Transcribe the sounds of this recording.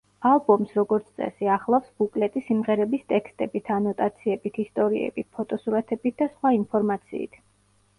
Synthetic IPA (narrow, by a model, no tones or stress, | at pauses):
alˠbɔmsɾɔɡɔɾt̪sʰt̪ʼɛ̰siaχlˠafsb̥ukʼlɛt̪ʼisimʁɛɾɛbist̪ʼɛkst̪ʼɛbit̪ʰanɔt̪ʼat̪sʰiɛbit̪ʰist̪ʼɔɾiɛ̰b̥it̪̚pʰɔt̪ʼɔsuɾat̪ʰɛbit̪̚ʰd̪asχwainpʰɔɾmat̪sʰḭːt̪ʰ